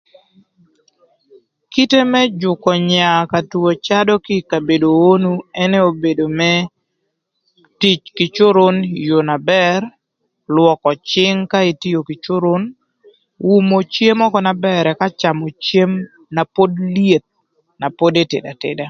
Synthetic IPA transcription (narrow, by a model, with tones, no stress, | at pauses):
ki˦te˦mɛ˦d͡ʒʊ˨kɔ˨ɲa˨ka˨tuo˨t͡ʃa˦dɔ˦kɪ˦ka˨be˨do˨o˦nu˦ɛ˦nɛ˦o˨be˨do˨mɛ˦ | ti˦t͡ʃkɪ˨t͡ʃo˦ɾo˦njo˨na˨bɛr | lwɔ˨kɔ˨t͡ʃɪ˦ŋka˦e˨ti˦jo˨kɪ˨t͡ʃo˦ɾo˦n | wu˦mo˨t͡ʃje˦mɔ˦kɔ˦na˨bɛ˦ɾɛ˨ka˦t͡ʃa˨mo˨t͡ʃje˦m | na˨po˦dlje˨t̪̚ | na˨po˦de˦tḛ˨da˨tḛda˨